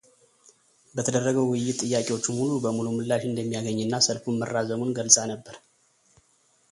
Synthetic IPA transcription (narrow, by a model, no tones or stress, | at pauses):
bət̪ʰəd̪ərːəɡəwwʊjːɪt̪ʼːɨjːakʼewo̞t͡ʃːmhulubəmulumɨlːaʃɨnd̪əmːijaɡəɲːɨnːasəlfunmərːazəmunɡəlsʼanəbːəɾ